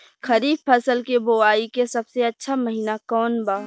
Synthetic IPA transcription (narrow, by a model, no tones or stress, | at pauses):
kʰəɾiːbpʰəsəlkeboaːikesɐbseɐtːʃʰaməɦiːnakɔːnbaː